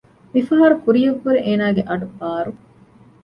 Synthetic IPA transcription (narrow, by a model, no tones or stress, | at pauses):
mifɐɦɐɾukuɾijɐɡːuɾeʔeːnaːɡeʔɐɖubaːɾu